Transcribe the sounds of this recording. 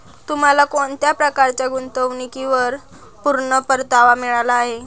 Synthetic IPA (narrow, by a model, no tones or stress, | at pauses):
t̪um̤alakoɳt̪japɾəkaɾt͡ɕjaɡunt̪əʋɳikiʋəɾ | puɾɳəpəɾt̪aʋamiɭalaːɦe